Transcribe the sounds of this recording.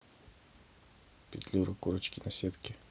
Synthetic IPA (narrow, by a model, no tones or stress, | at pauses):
pit̪luɾokuɾət͡ʃkʲinasɛt̪kʲɛ